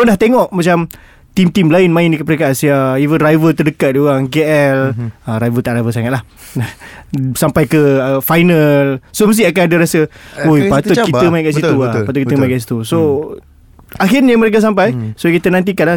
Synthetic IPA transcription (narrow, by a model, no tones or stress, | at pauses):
ondaht̪eŋɔʔmat͡ʃam | t̪imt̪imlaɪnmãɪndikəpəɾekaʔsiaivənrajvət̪ərdəkat̪̚dioɣaŋɡeʔɛləɾajvət̪aʔɾajvəsaŋat̪̚lah | sampajkəəfajnəlsoməs̬t̪iakanadaɾasəujpaat̪ʊt̪kit̪əmaiʔkaʔsitt̪uapat̪ʊkit̪əmaj̃kaʔsi̥t̪uso | axɪrnjaməɾek̬as̬ampajsokit̪ənãnt̪̬ikanla